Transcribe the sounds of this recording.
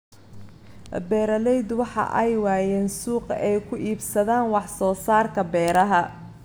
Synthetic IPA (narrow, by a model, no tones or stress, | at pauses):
bɛːɾɐlɛjd̪wɑħɑ̰ʔɛjwɑːjɛːnsuːqɛjkʰʊʔiːbsɐðaːnwɑħsɔːsaːrkʰɐbɛːɾɐɦɐ